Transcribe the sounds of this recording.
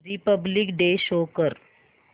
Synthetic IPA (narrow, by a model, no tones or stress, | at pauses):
ɾipəblikɖeːʃoːkəɾ